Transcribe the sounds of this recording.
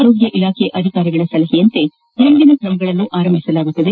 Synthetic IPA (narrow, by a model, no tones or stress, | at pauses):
ɾo̞ːɡjɐʔilaːkʰeʔɐd̪ʱikaːɾɐɡɐɭɐsɐlɐɦijɐnt̪e̞ | end̪inɐkɾɐmɐɡɐɭɐnːuʔaːɾɐmbʱisɐlaːɡut̪ːɐd̪e